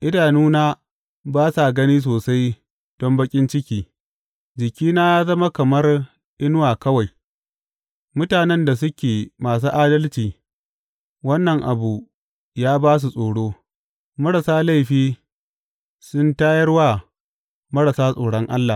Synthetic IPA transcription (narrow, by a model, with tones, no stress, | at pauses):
ʔɪ˦daː˨nuː˦naː˦ | baː˦sa˨ɡɐ˦niː˦s̬oː˨sa˦j | d̥ɔ˦mbɐ˦kʲʼɪ˦nt͡ʃɪ˦kʲiː˦ | d͡ʒɪ˨kʲiː˦naː˦jaː˦zɐ˦ma˦kɐ˨mɐ˦r | ʔɪ˦nʊ˦waː˨kɐ˦wa˨j | mʊ˦taː˨nɛ˦nda˨s̬ʊ˦kʲeː˨maː˨s̬uː˦ʔaː˦dɐ˦lt͡ʃiː˨ | wɐ˦nːɐ˨ŋʔa̰˨bu˨ | jaː˦baː˦s̬u˨sʼoː˨ɽoː˦ | mɐ˦ɽɐ˨saː˦la˦˨jɸiː˦ | sʊ˦ntaː˦jɐ˦rwa˦ | mɐ˦ɽɐ˨saː˦sʼoː˨ɽɔ˦ŋʔa̰˦lːa˨